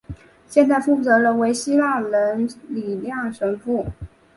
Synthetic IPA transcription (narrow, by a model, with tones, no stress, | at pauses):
ɕjɛ˥˧nt͡sa˥˩ɪfu˥˩t͡sɤ˧˥lə˧we˧˥ɪɕi˥la˥˩lə˧˥nli˨˩ljɑ˥˩ŋʂə˧˥ŋpu˥˩